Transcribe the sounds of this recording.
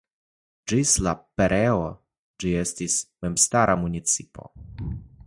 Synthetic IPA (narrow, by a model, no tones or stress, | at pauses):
d͡ʒislapeɾeo | d͡ʒie̞stismemstaɾʔamunʲit͡sipo̞̰